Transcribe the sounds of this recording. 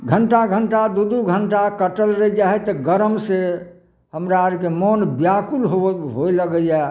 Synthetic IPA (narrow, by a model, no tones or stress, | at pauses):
ɡʱəɳʈaɡʱəɳʈad̪ud̪uɡʱəɳʈakəʈəlɾəid͡ʒaɦɛt̪ɔɡəɾəmse | həmɾaɾkemonbjakulɦoɦoiləɡəja